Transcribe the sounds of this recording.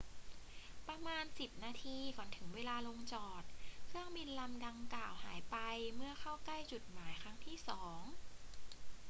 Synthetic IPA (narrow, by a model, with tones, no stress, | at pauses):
pɾa˧maː˧nsi˨˩p̚naː˧t̪ʰiː˧kɔː˩˦nt̪ʰɯ˩˦ŋweː˧laː˧lo˧ŋt͡ɕɔː˨˩t̪̚kʰɯ˥˩əŋbi˧nla˧mda˧ŋklaː˨˩wɦa̰ː˩˦jpa˧jmɯ˥˩ɐxʰa˥˩wkla˥˩jt͡ɕu˨˩t̪̚maː˩˦jkʰɾa˦˥ŋt̪ʰiː˥˩sɔː˩˦ŋ